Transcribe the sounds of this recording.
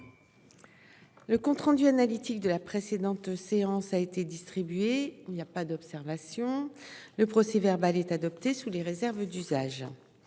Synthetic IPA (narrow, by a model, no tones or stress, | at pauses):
ləkɔ̃t̪χɑ̃d̪yanalit̪ik̚d̪əlapχesed̪ɑ̃t̪seɑ̃saet̪ed̪ist̪χibɥeinijapad̪ɔpsɛʁvasjɔ̃ləpχɔsɛvɛʁbalɛt̪ad̪ɔpt̪esuleʁezɛʁvd̪yzaʒ